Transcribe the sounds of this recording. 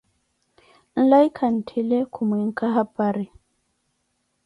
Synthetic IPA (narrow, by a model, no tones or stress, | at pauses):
n̩laikʰan̩tʰilɛkʰumwiŋ̩kaɦapaɾi